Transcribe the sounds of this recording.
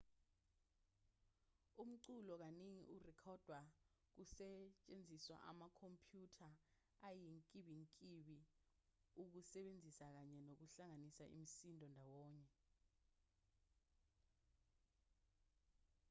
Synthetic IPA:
um̩ǀulɔk̬aneŋḭʔurɛkʰɔd̥ʱwa | k̬usɛt͡ʃʼend͡zʱiswa̰ʔa̰makʰompʰjutʰa | ajiŋkʼiɓiŋkʼiɓi | uk̬usɛɓend͡zʱisak̬aɲɛnok̬uɬaŋanisaʔḭm̩sindʱʼɔndʱawɔːɲɛ

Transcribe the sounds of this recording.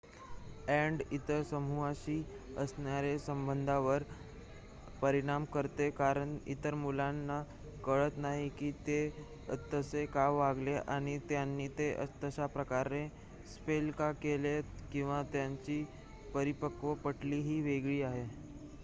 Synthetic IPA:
ɛɳɖit̪əɾsəmuaɕiːəsɳjaɾesəmbənd̪ʱaʋəɾ | pəɾiɽ̃amkəɾt̪ekaɾəɳḭt̪əɾmulanːa | kəɭət̪naɦikiːt̪e | t̪əsekaʋaɡleʔaɽ̃it̪janːiːt̪eʔə̰t̪əɕapɾəkaɾe | spelkakelekĩw̃ʋat̪jaɲt͡ɕiː | pəɾipəkʋəpəʈliːɦiːʋeɡɭiːaɦe

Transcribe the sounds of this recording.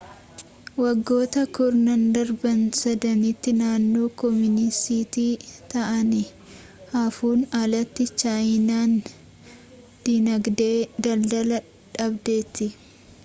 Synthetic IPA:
wɐɡːo̞ːt̪ɐkʊɾnɐnd̪ɐɾbɐnsɐd̪ɐnit̪ːɪnaːnːoːkɔmɪnɪsiːt̪iːt̪ɐʔɐnɪ | hɐfuːnɐlɐt̪ːɪt͡ʃaːjɪnaːn | d̪̥iːnɐɡd̪eːd̪ɐld̪ɐlɐ | ᶑɐbd̪e̞ːt̪ːɪ

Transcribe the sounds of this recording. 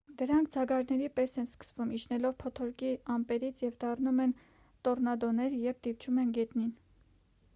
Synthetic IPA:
d̪əɾɑŋkʰd͡zɑɡɑɾnɛɾipɛsɛnskə̥svumiʃnɛlɔvpʰɔt̪ʰɔɾkiɑmpɛɾit͡sʰjɛvd̪ɑrnumɛn | t̪ɔrnɑd̪ɔnɛɾjɛv̚t̪ivt͡ʃʰumɛnɡɛt̪nin

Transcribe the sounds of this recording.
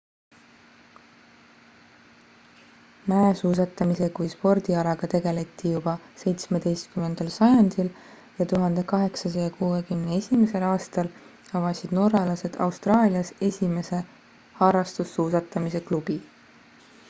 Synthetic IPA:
mæesuːs̬ɑt̪ːˑɑmise̞kujspo̞rd̪̥iɑlɑɡ̥ɑt̪e̞ɡe̞le̞t̪ˑːijub̥ɑse̞jt̪smed̪̥ejst̪̚kymːe̞nd̪̥ɑlsɑjɑnd̪̥il | jɑt̪uɦɑnd̪̥e̞kɑɦe̞ksɑs̬ɑjɑkuːekymneesʲimese̞lɑːst̪ɑl | ɑvɑsid̪̥no̞ɾɑlɑse̞d̪̥ɑ̰wst̪rɑːlʲiɑse̞sʲime̞se̞ | hɑɾɑst̪usːuːsɑt̪ːˑɑmise̞klub̥i

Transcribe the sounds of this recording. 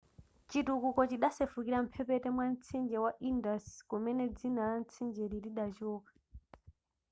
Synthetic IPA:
t͡ʃitukukɔt͡ʃiɗasɛfukiɾam̩pʰɛpɛtɛmwant͡sʰind͡ʒɛwaʔindaskumɛnɛd͡zinaan̩t͡sʰind͡ʒɛɾiliɗat͡ʃɔːkḁ

